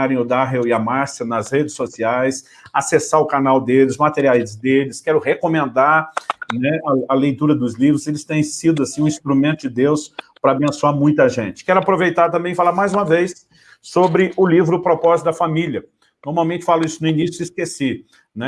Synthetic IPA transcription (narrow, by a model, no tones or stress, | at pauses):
aɾẽj̃ʊd̪aɦewɪɐmaɾsɐnɐzhed͡ʒɪsosiajs | asesaɾʊkanawd̪elɪzmat̪eɾiajzd̪elɪskɛɾʊhekomẽnd̪aɾnɛɐɐlejt̪uɾɐd̪ʊzlivɾʊzelɪst̪ẽj̃sid̪ʊasĩũĩst̪ɾumẽnt̪ʊd͡ʒɪd̪ewspɾɐabẽsoaɾmũj̃t̪ɐʒẽt͡ʃɪ̥kɛɾʊapɾovejt̪aɾt̪̬ɐ̃bẽj̃ɪfalaɾmajzũmɐvejsː | obɾɪʊlivɾʊpɾopɔzɪt̪d̪ɐfamiljɐ | noɾmawmẽnt͡ʃɪ̥falʊisʊnʊinisjʊiskesi | nɛ